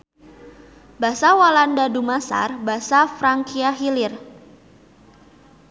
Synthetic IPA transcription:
basawalandadumasa̰rbasafɾaŋkiaɦilɪr

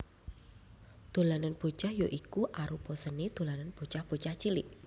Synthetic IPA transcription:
d̪̥o̤lananb̥o̤t͡ʃahjoʔikuʔaɾupɔsənid̪̥o̤lananb̥o̤t͡ʃahb̥o̤t͡ʃaht͡ʃilɪ̰ʔ

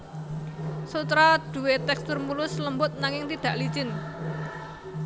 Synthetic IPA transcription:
sut̪ɾad̪̥ṳwet̪ɛkst̪ʊrmulʊsləmbʊt̪̚naŋɪŋt̪id̪̥ä̤ʔlit͡ʃɪn

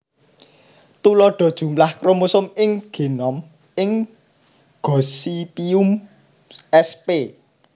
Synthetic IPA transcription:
t̪ulɔɖ̥ɔ̤d̥ʒ̥ṳmlahkɾomusʊmɪŋɡ̥e̤nɔm | ɪŋ | ɡ̥ɔsipium | ɛspe

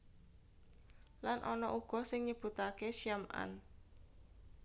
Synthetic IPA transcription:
lanʔɔnɔʔuɡ̥ɔ̤sɪŋɲəb̥ṳt̪akeʃiamʔa̰n

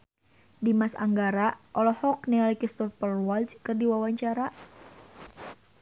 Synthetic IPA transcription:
dimasa̰ŋɡaɾaʔɔlɔhɔk̚nɛalikist̪ɔpərwɔlt͡ʃkɨrdiwawaɲt͡ʃaɾa

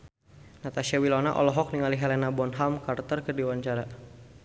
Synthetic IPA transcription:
nat̪aʃawilɔna̰ʔɔ̰lɔɦɔk̚niŋaliɦɛlɛnabɔnɦamkart̪ərkərdiwaɲt͡ʃaɾa

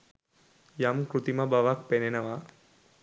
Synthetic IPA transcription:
jamkɾut̪imabaʋak̚penenɐʋa

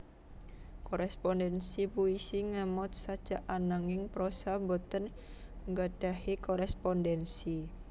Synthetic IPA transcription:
kɔɾɛspɔndɛnsipuisiŋamɔt̪̚sad̥d͡ʒ̥aʔanaŋɪŋpɾosambot̪ən | ŋɡad̥a̤hikɔɾɛspɔndɛnsi

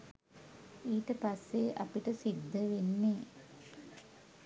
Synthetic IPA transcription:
iːʈəpasːeʔa̰piʈəsid̪ːəʋenːe

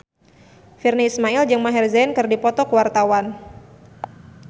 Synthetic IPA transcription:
firniismaild͡ʒɨŋmaɦɛrzɛnkɨrdipɔt̪ɔkəwart̪awan

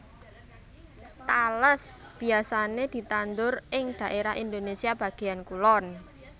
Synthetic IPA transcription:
t̪aləsb̥i̤asaned̪̥i̤t̪and̪ʊrʔɪŋd̪̥a̤ʔeɾaind̪onesiab̥a̤ɡ̥e̤jankulɔn

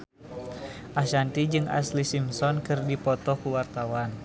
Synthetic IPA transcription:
ʔaʃant̪id͡ʒɨŋa̰slisimsɔnkɨrdipɔt̪ɔkuwart̪awan

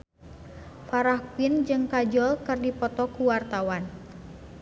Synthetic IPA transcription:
faɾahpind͡ʒɨŋkad͡ʒɔlkɨrdipɔt̪ɔkuwart̪awan

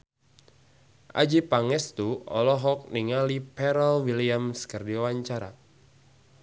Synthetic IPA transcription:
ʔa̰d͡ʒipaŋɛst̪uɔ̰lɔɦɔk̚niŋalipɛɾalwiliamskərdiawaɲt͡ʃaɾa̰

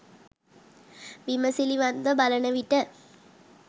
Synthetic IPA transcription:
ʋɪmɐsiliʋɐnd̪ɐbɐlɐnɐʋɪʈːɐ

